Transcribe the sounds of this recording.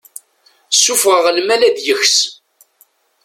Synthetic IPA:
sːufʁəʁlmælæðjəxs

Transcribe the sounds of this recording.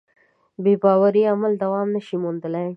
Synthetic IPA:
bebɑwaɾiamald̪awɑmnəʃimʊnd̪əlaj

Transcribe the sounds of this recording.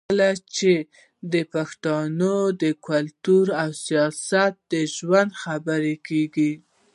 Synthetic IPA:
lat͡ʃe | d̪əpaxt̪ɑnod̪əkalt̪uɾawsijɑsat̪̚d̪əʒwand̪xabəɾekeɡi

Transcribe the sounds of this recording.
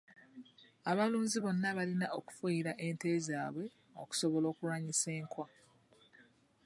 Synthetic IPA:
aβaluːnziβo̞nːaβalinaʔoku̥fuiɾaʔe̞nte̞ːzaːβwe̞ | o̰ku̥so̞βo̞lo̞ːkulwaːɲise̞ːŋkwa

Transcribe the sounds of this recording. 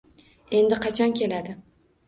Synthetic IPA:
e̞nd̪ɪqʰɑt͡ʃʰɒnkʲʰe̞lad̪ɪ

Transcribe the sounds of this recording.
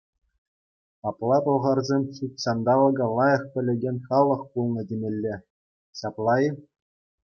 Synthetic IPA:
ɑplˠɑpɤ̆lˠʁɑrzʲemʲɕutʲsɑnd̪ɑʋɤ̆ɡɤ̆lˠɑjɤ̆χpʲɘ̆lʲĕɡʲenʲχɑlˠːɤ̆χpulˠnɤ̆tʲɘ̆mʲĕlʲːe | ɕɑplˠɑji

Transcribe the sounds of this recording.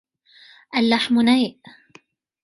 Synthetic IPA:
ʔalːaħmʊnajʔ

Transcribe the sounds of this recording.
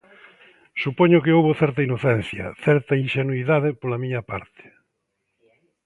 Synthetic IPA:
supoɲʊkɪowβʊθɛɾt̪ɐinoθɛn̟θjɐ̰θɛɾt̪ɐinʃenuiðaðɪpolɐmĩɲɐpa̰ɾt̪ɪ̥

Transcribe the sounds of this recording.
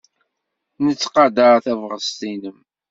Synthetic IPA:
nət͡sːqɑd̪aɾθævʁəst̪inəm

